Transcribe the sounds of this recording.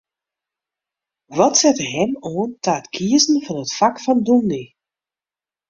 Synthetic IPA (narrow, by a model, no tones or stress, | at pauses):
ʋɔtsɛtɦɛmoːntaːətkʰiəzn̩vɑnətfakfɑndulˠni